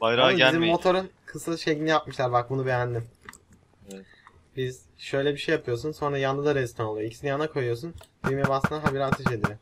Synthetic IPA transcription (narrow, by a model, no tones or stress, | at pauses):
bajɾaizimmːo̞t̪ʰoɾɯnkʰɯsɯlˠʃejcinijapmɯʃlˠaɾbak̚bunube̞jænd̪im | biz | ʃø̞jlʲɛbiʃejːapʰɯjo̞s̬unso̞nɾajanːɯd̪aɾɛist̪ʰonolˠɯjoicʰi̥sinijanakʰo̞jujo̞sunojymjebasɯnaɦabiɾat̪ʰeʃed̪iɾɪm